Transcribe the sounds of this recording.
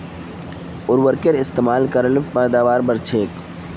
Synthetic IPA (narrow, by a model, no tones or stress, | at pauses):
ʊɾʋəɾkeɾɪst̪eːmaːlkəɾəlpɛːd̪aːʋaːɾbəɾt͡ʃʰeːk